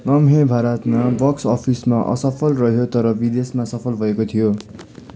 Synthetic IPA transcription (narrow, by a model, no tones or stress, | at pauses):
lʌmɦẽbʱaɾʌt̪mabʌksʌpʰismaʔʌ̰sʌpʰʌlrʌɦjot̪ʌɾʌbid̪esmasʌpʰʌlbʱʌekot̪ʰijo